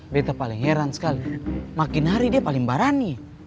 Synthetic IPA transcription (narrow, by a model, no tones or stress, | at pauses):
bɛt̪apaliŋɛɾanskalimakinɦaɾidiapaliŋbaɾani